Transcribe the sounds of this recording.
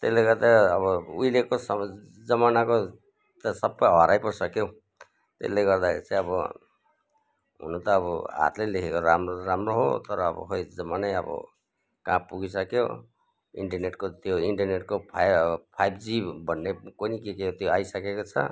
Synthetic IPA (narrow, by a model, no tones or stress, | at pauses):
t̪esleɡʌrd̪aːbʌuilekosʌ | d͡zʌmanako | t̪ʌsʌbːʌjɦʌɾajpʌrsʌkjo | t̪ḛleɡʌrd̪akʰeɾit͡saj̃ʌbʌ̰ | ɦṵnut̪ʌːbʌɦa̰t̪lelikʰekoɾamrɾamroɦo̰t̪ʌɾʌːbʌ̰ɦojd͡zʌmanʌjʌ̰bʌ̰ | kãpuɡisʌkjo̰ | ḭɳʈʌrneʈkot̪joiɳʈʌrneʈkopʰpʰajbd͡zibʱʌnːekonikekeot̪joajsʌkekot͡sʰʌ̰